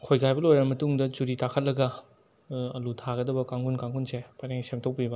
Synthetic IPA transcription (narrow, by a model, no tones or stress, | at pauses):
kʰojɡajbɐlojɾɐmɐtuŋdɐt͡ʃuɾitakʰɐt̚lɐɡɐ | ɐlutʰaɡɐdɐbɐkaŋɡunkaŋɡunsepajɾeŋsemtʰok̚pibɐ